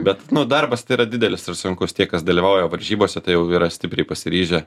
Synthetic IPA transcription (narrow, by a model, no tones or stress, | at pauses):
bʲɛt̪nʊd̪ɐrbɐst̪ɐɪiːɾɐd̪ʲɪd̪ʲɛlʲɪsɪrsʊŋkʊst̪ʲiɛkɐsd̪ɐlʲiʋɐʊjoːʋɐɾʲʒʲiːboːsʲɛt̪ɐɪjɛʊiːɾɐsʲtʲɪpʲɾʲɛɪpɐsʲɪɾʲiːʒʲɛ